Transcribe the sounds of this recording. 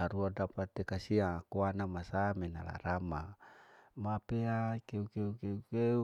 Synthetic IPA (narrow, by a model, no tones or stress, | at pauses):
aɾuadapat̪ːekasiakuanamasamena̰la̰ɾama | mapeakeukeukeukeu